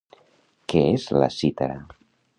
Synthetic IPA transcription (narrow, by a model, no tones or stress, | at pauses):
keezla̰sit̪aɾa